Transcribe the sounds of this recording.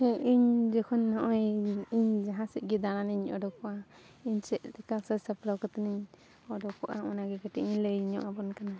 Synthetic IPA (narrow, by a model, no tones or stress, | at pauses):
ɛʔiɲd͡ʒɔkʰɔnːɔʔɔjiɲd͡ʒaɦãsɛʔɡid̪ananiɲɔ̰ɖɔkɔʔa | iɲsɛʔt̪ɛkasəsapɾɔwkɔt̪niɲ | ɔɖɔkɔʔa̰unaɡɛkɛʈɛʔiɲləjɲɔ̰ʔabɔnkana